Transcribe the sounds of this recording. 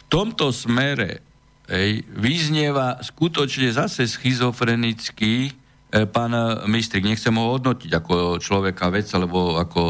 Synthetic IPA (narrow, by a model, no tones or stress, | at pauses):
ft̪ɔmt̪ɔsmɛɾɛ̰ | ɦɛjʋizɲɛʋaskut̪ɔt͡ʃɲɛzasɛsxizɔfɾɛnit͡ski | paːnmist̪ɾiɡɲɛxt͡sɛmɦɔɦɔd̪nɔciɟakɔt͡ʃlɔʋɛkaʋɛd͡zalɛbɔakɔ